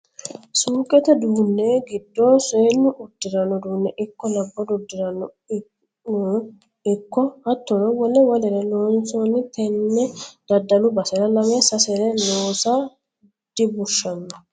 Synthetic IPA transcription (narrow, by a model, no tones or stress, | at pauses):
suːkʼːɛt̪ɛd̪uːnːeɡɪd̪ːoːseːnːʊʔʊd̪ːɪɾɐnːɔd̪uːnːɛʔɪkːɔlɐbːɔd̪ɔd̪ːɪɾɐnɔ | ɪkːɔhɐt̪ːɔɾɔwɔlɛwɐlɛɾɛloːnsoːnːɪt̪ɛnːɛd̪̥ɐd̪ːɐlʊbɐsɛɾɐlɐmɛsɐsɛɾɛnoːsa | d̪̥ɪbʊʃːɐnːɔ